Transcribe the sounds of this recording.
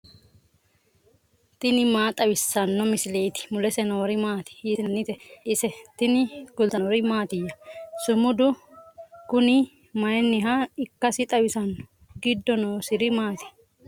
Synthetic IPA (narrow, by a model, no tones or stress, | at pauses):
t̪ɪnɪmaːt̪ʼɐwɪsːɐnːɔmɪsɪleːt̪ɪ̥mʊlɛsɛnɔwɔɾɪmaːt̪ɪ̥ɪsɪnɐnːɪt̪ɛɪsɛt̪ɪnɪɡ̥ʊlt̪ɐwɾɪmaːt̪ɪjːɐsʊmʊd̪ʊ | kʊnɪ | mɐjɛnːɪɦɐɪkːɐsɪt̪ʼɐwɪsɐnːɔ̥ | ɡɪd̪ːɔnoːsɪɾɪmaːt̪ɪ̥